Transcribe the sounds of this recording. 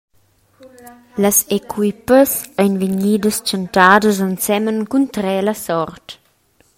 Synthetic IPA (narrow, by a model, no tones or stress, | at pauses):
ləsekwipəsajnviɲiːdəst͡ʃəntaːdəzansɛmənkunt̪ɾɛlasɔrt